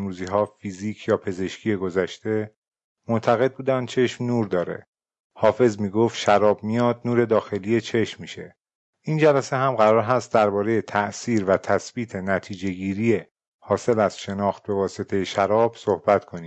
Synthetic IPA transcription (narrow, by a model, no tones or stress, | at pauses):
mɾuːziɦɒːfiziːkʰjɒːpʰe̞ze̞ʃcʰijeɡo̞zæʃt̪e̞ | mont̪ʰæɣe̞d̪̚buːd̪ænd̪̚t͡ʃʰe̞ʃmnuːɾd̪ɒːɾe̞̰ | hɒːfe̞zmiːɡoft̪ʃæɾɒːb̚mijɒːd̪̚nuːɾe̞d̪ɒːxe̞liːje̞t͡ʃʰe̞ʃmːiːʃe̞ | ʔind͡ʒælæseɦæmɢæɾɒːɾɦæst̪̚d̪æɾbɒːɾe̞je̞t̪ʰæʔsiːɾvæt̪ʰæsb̥iːt̪ʰe̞næt̪ʰiːd͡ʒe̞ɡiːɾije | hɒːse̞læz̥ʃe̞nɒːxt̪̚be̞vɒːset̪ʰe̞jeʃæɾɒːb̥so̞hbæt̪kʰo̞ni̥ː